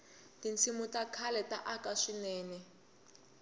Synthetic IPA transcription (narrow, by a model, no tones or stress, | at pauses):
tint͡sʰimutakʰalɛtʼaʔakaʂinɛːnɛ